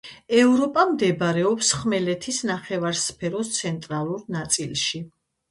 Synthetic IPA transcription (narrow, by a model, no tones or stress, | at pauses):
ɛvɾɔpʼamd̪ɛbaɾɛɔpsχmɛlɛt̪ʰisnaχɛvaɾspʰɛɾɔst̪sʰɛnt̪ʼɾalˠuɾnat̪sʼilˠʃi